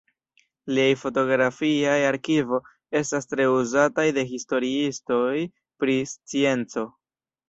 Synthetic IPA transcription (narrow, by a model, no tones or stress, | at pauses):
liajfo̞to̞ɡɾafiajaɾkivo̞ | e̞stastɾe̞uzatajde̞ɦisto̞ɾiisto̞j | pɾist͡sie̞nt͡so̞